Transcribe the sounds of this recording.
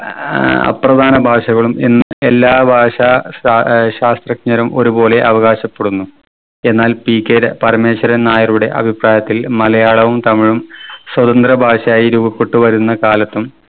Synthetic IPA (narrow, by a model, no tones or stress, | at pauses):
ɐ̰prɐd̪ʱaːnɐbʱaːʂɐɣɐɭumenːɨe̞lːaːbʱaːʂa | ɕaːst̪rɐkɲɐɾɐmo̞ɾubo̞ːle̞ʔɐʋɐɣaːɕɐpːe̞ɽunːu | e̞nːaːlpiːkːeɾɐpɐrme̞ːɕɐɾɐnaːjɐruɽe̞̰ʔɐ̰bʱipraːjɐt̪ːilmɐlɐjaːɭɐʋumt̪ɐmiɻumswɐd̪ɐnd̪rɐbʱaːʂɐjaːjiɾuːbɐkːuʈːuʋɐɾunːɐkaːlɐt̪ːum